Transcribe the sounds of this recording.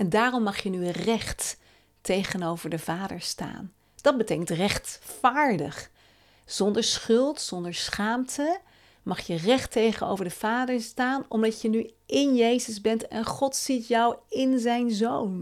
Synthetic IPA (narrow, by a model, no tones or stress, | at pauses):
ɛndaːrɔmːɑχjənyrɛχtː | ejχənowvəɹdəvaːdəɹsta̰ːn | d̥ɑd̚bətejkəntrɛχtfaːɹdə̰χ | z̥ɔndəɹsχɵlˠtsɔndəɹsχaːmtʰə | mɑχjərɛχtejχəno̰wvəɹdəv̥aːdəɹstaːnɔmdɑcənyʔɪnjejzəzbɛntɛnχɔtsitjɑwɪnzɛjnzown